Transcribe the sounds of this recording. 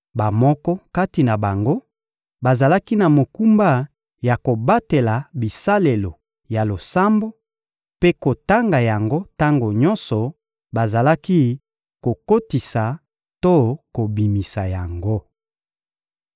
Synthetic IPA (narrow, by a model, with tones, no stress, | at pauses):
ba˨mɔ˦kɔ˦ka˦ti˨na˨ba˨ŋɡo˦ | ba˨za˨la˦ki˦na˨mo˨ku˦mba˦˨ | ja˨ko˨ba˦te˨la˨bi˨sa˦le˨lo˨ | ja˨lo˨sa˦mbo˦ | pe˦ko˨ta˦ŋɡa˨ja˨ŋɡo˦ta˦ŋɡo˨ɲɔ˦nsɔ˨ | ba˨za˨la˦ki˦ | ko˨ko˦ti˨sa˨ | to˦ko˨bi˨mi˨sa˨ja˨ŋɡo˦